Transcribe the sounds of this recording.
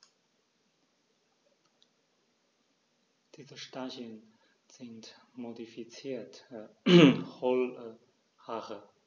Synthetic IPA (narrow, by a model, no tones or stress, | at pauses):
d̥iːzəʃtaʒjən | sɪntmodifit͡siːt | χɔlə | haʁə